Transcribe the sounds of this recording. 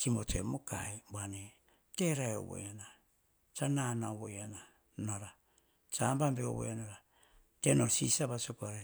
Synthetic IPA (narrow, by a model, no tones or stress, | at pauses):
t͡ʃimotemoka̰ebane | teɾaeo̰βo̰jana | t͡ʃananaoβojana | naɾa | t͡ʃambambeo̰βo̰janaɾa | tenoɾsisaβasokoaɾe